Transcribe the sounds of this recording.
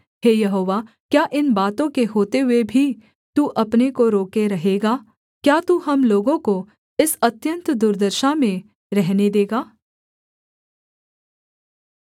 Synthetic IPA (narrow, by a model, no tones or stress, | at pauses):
ɦeːjɐɦoːʋaː | kjaːʔɪnbaːt̪õkeɦoːt̪eɦʊebʱi | t̪uːʔɐpnekoɾoːkeɾɐɦeːɡaː | kjaːt̪uːɦɐmloːɡõko | ɪsɐt̪jə̃nt̪d̪ʊɾd̪əɾʃamẽ | ɾɛɦned̪eːɡaː